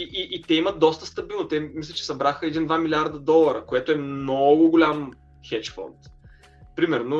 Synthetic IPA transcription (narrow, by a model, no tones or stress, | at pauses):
iʔiʔit̪ɛimət̪̚d̪ɔst̪əst̪ɐbilˠnot̪ɛmislʲɛt͡ʃɛ̥sɐbɾaxəɛd̪ind̪vamilʲiaɾd̪əd̪ɔlˠəɾəkoɛt̪oɛmnɔɡʊɡʊlʲam | xɛt͡ʃfɔ̰nt̪ | pɾimɛɾno